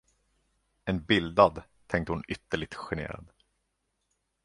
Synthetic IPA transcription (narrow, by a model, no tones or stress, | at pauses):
ɛnbɪld̪ad̪t̪ʰɛŋk̚t̪əhʊnʏt̪ːəɭɪɡ̚t̪ɧɛnḛːɾa̰d̪